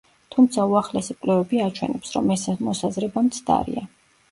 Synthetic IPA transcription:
t̪ʰumt̪sʰauaχlɛsikʼlɛvɛbiat͡ʃʰwɛnɛpsɾɔmɛsmɔsazɾɛbamt̪sʰd̪a̰ɾḭa

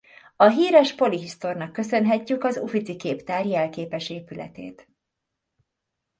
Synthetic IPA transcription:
ɒɦiːɾɛʃpo̞liɦist̪o̞rnɒkːø̞sø̞nɦɛcːykɒzṵfit̪sikeːpt̪aːrjɛlkeːpɛʃeːpylɛ̰t̪ḛːt̪

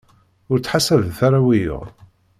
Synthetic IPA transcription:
ʊɾt͡sːħasævθaɾˤawijo̰ʁ

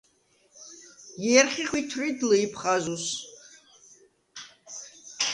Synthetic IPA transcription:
jɛɾχiχwit̪ʰɾid̪lɨipʰχazus

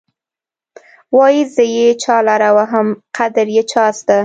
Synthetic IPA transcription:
wɑjizəjet͡ʃɑlaɾawaɦəmqʰad̪əɾjet͡ʃɑst̪a

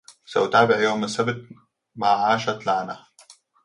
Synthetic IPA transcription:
sa̰wt̪aːbɪʕjoːmɪsabt̪̚ | maʕaːʃat̪laːna

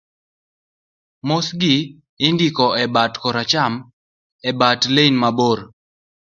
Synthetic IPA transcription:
mosɡɪ | ɪndikɔɛbatkɔɾat͡ʃam | ɛbatleinmaboɾ

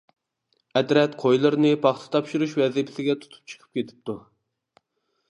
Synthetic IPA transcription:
ɛd̪ɾɛt̪qʰojlˠɨɾnɨpʰɑχt̪ʰɨ̥t̪ʰɑpʃɨɾuʃwɛzɪpʰɪsɪɡʲɛt̪ʰu̥t̪ʰu̥p̚t͡ʃʰə̥qʰə̥p̚kʲet̪ʰɪ̥p̚t̪ʰu

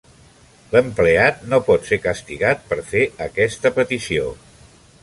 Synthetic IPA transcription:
ləmpleat̪̚nopɔt̪sekəst̪iɣat̪̚pəɾfeəkɛst̪əpət̪isio̰

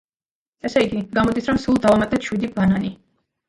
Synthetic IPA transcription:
ɛsɛiɡiɡamɔd̪isɾɔmsulˠd̪avamat̪ʼɛʃwid̪ibanani

